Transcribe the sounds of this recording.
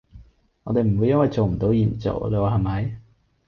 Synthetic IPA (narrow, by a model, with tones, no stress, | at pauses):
ŋɔː˨˧˥d̪e˨m̩˨˩u˨˧jːɐ˥nwɐ˨jt͡so˨wm̩˨˩t̪o˨˥wjiː˨˩nt͡so̰˨˩wle˧˩wɦɐ˨˩jmɐ˨˧˦j